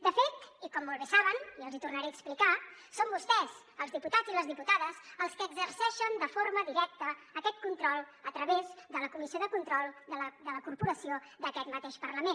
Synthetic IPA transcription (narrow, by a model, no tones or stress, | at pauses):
d̪əfet̪ikɔmːolˠβesaβəniəlˠzit̪urnəɾeəksplikasombust̪ɛz | əlˠzðiput̪ad͡zziləzðiput̪aðəsəlˠskəɡzəɾsɛʃənd̪əfoɾməðiɾɛk̚t̪əːkɛt̪̚kunt̪ɾɔlˠ | ət̪ɾəβezd̪ələkumisioðəkunt̪ɾɔlˠd̪əd̪ələkuɾpuɾəsiod̪əkɛt̪mət̪eʃpərləmen